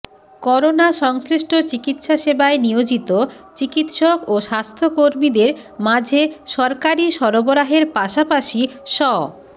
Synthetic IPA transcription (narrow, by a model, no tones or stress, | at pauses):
kɔɾonaʃɔŋsɾiʃʈʰot͡ɕikit̪ʃaʃebaenijod͡ʑit̪ot͡ɕikit̪ʃokoʃast̪ʰokoɾmid̪eɾmad͡ʑʱeʃɔɾkaɾiʃɔɾoboɾaɦeɾpaʃapaʃiʃɔ